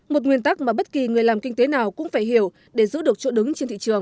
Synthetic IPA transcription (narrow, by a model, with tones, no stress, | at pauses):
mo˨˩t̚ŋwi˧˩ənt̪a˦˥k̚maː˨˩ɓə˦˥t̚ki˨˩ŋɨ˨˩əjlaː˨˩mkï˧ŋt̪e˨˦naː˨˩wkʊ̰˧˥ŋ͡mfaː˧˩jɦi˧˩əw | ɗe˧˩zɨ̰˧˥ɗɨ˨˩ək̚t͡ɕo̰˧˥ɗɨ˨˦ŋt͡ɕe˧nt̪ḭ˧˨t͡ɕɨ˨˩əŋ